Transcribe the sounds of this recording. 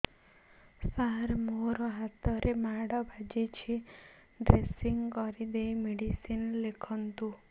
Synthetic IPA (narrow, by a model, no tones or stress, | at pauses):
saɾmoɾɔɦat̪ɔɾʔemaɽɔbʱad͡ʒet͡ʃʰi | ɖɾesiŋɡkɔɾid̪ejmeɽisinlekʰɔnt̪u